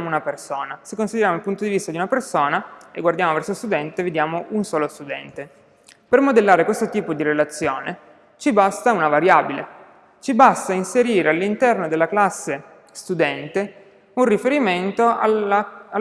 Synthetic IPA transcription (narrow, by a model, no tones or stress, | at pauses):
amounapersoːnasekːonsid̪eɾjaːmoilpunt̪od̪ivist̪ad̪iunapersoːnaḛɡward̪jaːmovɛrsost̪ud̪ɛnt̪eved̪jaːmoʔunsɔːlost̪ud̪ɛ̰nt̪e | permod̪elːaːɾekwest̪ot̪iːpod̪iɾelat̪sːjoːne | t͡ʃibast̪aunavaɾjaːbile | t͡ʃibast̪ainseɾiːɾealːint̪ɛrnod̪elːaklasːe | st̪ud̪ɛnt̪e | unrifeɾiment̪oaaa